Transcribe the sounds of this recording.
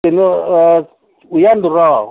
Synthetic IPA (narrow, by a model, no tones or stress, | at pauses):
en | ujand̪uraː